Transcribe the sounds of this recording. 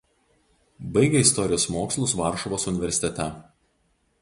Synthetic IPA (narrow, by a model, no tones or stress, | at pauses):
bɐɪɡʲɛɪst̪ɔɾʲɪjoːsmoːkslˠʊsʋɑˑɾʃɔʋoːsʊnʲɪʋʲɛɾʲsʲɪt̪ʲɛt̪ʲɛ